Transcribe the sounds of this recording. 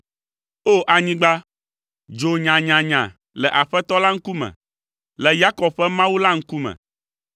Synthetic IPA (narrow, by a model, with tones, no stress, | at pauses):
o˦ʔa˨ɲĩ˦ɡ͡ba˦ | d͡ʒo˨ɲã˨ɲã˨ɲã˨ | lɛ˨ʔa˨ɸɛ˦t̪ɔ˦la˦ŋ̩˦ku˦mɛ̰̃˨ | lɛ˨ja˦kɔ˨bɸɛ˦mã˦wu˦la˦ŋ̩˦ku˦mɛ̰̃˨